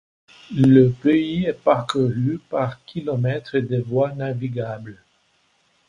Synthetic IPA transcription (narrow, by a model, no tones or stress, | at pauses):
ləpeiɛpaʁkuʁypaʁkʲʰilɔmɛt̪χed̪evwanaviɡabl